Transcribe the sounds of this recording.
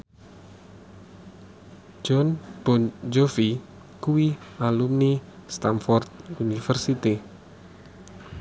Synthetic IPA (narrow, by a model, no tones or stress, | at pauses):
d͡ʒɔnb̥ɔnd͡ʒofi | kuwialumnist̪anfɔrt̪̚unifɛrsit̪i